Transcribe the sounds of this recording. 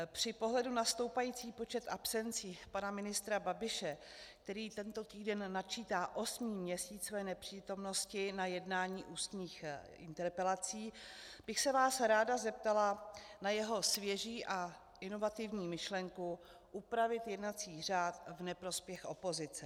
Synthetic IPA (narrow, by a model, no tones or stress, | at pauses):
pr̝̥ɪpo̞ɦlɛdunast̪o̞wpajiːt͡siːpo̞t͡ʃɛt̪ʔapsɛnt͡siːpanamɪnɪst̪ɾababɪʃɛ | k̚t̪ɛɾiːt̪ɛnt̪o̞t̪iːdɛnːat͡ʃiːt̪aːʔo̞smiːmɲɛsiːt͡sovɛːnɛpr̥iːt̪o̞mno̞scɪnajɛdnaːɲiːʔuːst̪ɲiːx | ɪ̰nt̪ɛɾpɛlat͡siːb̥ɪxsɛvaːsɾaːdazɛp̚t̪alanajɛɦo̞svjɛʒiːʔa | ʔɪno̞vat̪ɪvɲiːmɪʃlɛŋku | ʔupɾavɪt̪jɛdnat͡siːr̝aːt̪vnɛpɾo̞spjɛxʔo̞po̞zɪt͡sɛ